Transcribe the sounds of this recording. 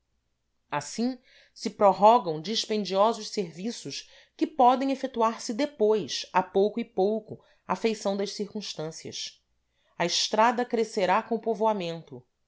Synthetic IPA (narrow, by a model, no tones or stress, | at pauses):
asĩ | sɪpɾoɦɔɡɐ̃w̃d͡ʒiʃpẽnd͡ʒiɔzʊʃseɾvisʊʃ | kɪpɔd̪ẽj̃efet̪uaɾsɪd̪epojsapowkʊɪpowkʊ | afejsɐ̃w̃d̪ɐʃsiɾkũʃt̪ɐ̃siɐ̰s | ɐɪʃt̪ɾad̪ɐkɾeseɾakõʊpovoamẽnt̪ʊ